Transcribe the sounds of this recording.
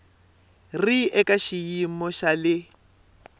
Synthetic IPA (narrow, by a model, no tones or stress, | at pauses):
riʔɛkʼaʃijimɔʃalɪ